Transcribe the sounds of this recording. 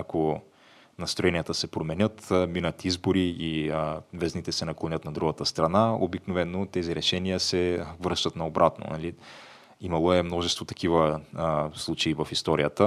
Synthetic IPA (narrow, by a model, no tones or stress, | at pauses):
ako | nɐst̪ɾoɛnijət̪əsɛpɾomɛnʲət̪minət̪izboɾiivɛznit̪ɛsɛnɐklˠonʲət̪nɐd̪ɾuɡət̪əst̪ɾɐnao̰biknovɛnːot̪ɛziɾɛʃɛnijəsɛvəɾʃt̪ət̪nɐobɾʔat̪no̰nɐ̰li | imɐlˠoɛmnɔʒɛst̪vot̪ɐ̥kivə | slˠut͡ʃɛivɐfist̪ɔɾijət̪ə